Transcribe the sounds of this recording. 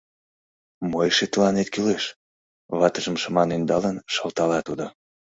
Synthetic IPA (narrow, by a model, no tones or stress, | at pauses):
mojʃet̪əlɑnet̪kyleʃ | βɑt̪əʒəmʃəmɑnend̪ɑlənʃɑlt̪ɑlɑt̪ud̪o